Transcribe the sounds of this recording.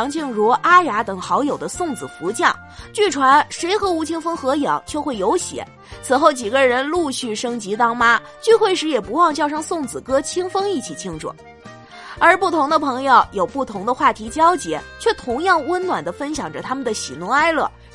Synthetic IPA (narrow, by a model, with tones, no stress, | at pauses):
ŋt͡ɕʰi˥˩ŋɻwɔ˧˥ʔa˥ja˧˥t̪ɤ˨˩ŋxɑ˧˥ʊjo˨˩ʊd̪ə˦sʊ˥˩ŋd͡zɹ̩˨˩fu˧˥t͡ɕjɑ˥˩ŋ | t͡ɕy˥˩ʈ͡ʂʰwa˧˥nʂe˧˥ɪxɤ˧˥u˧˥t͡ɕʰi˥ŋfɤ˥ŋxɤ˧˥jɑ˨˩˦ʊt͡ɕjo˥˧ʊxwe˥˩ɪjo˧˥ʊɕjɛ̰˨˧˩ | t͡sʰɹ̩˨˩xo˥˩ʊt͡ɕi˨˩ɡə˦˧ɻə˧˥nlu˥˧ɕy˥˩ʂɤ˥ŋt͡ɕi˧˥t̪ɑ˥ŋma˥ | t͡ɕy˥˧xwe˥˩ɪʂɻ̩˧˥jɛ˨˩pu˧˥wɑ˥˧ŋt͡ɕjɑ˥˧ʊʂ̬ɑ˥˧ŋsʊ˥˩ŋt͡sɹ̩˨˩kɤ˥t͡ɕʰi˥ŋfɤ˥ŋi˥˩t͡ɕʰi˨˩t͡ɕʰi˥ŋʈ͡ʂɔ̰˨˧˩ | ə˞˧˥pu˥˩t̪ʰʊ˧˥ŋd̪ə˧pʰɤ˧˥ŋjo˥˧ʊjo˨˩ʊpu˥˩t̪ʰʊ˧˥ŋd̪ə˧xwa˥˩t̪ʰi˧˥t͡ɕjɑ˥ʊt͡ɕjɛ˧˥t͡ɕʰɥɛ˥˩t̪ʰʊ˧˥ŋjɑ˥˩ŋwə˥nnwa˨˩nd̪ə˦fə˥nɕjɑ˨˩ŋʈ͡ʂə˦t̪ʰa˥mə˨nd̪ə˩ɕi˨˩nɔ˧˥a˥ɪlɤ̰˥˩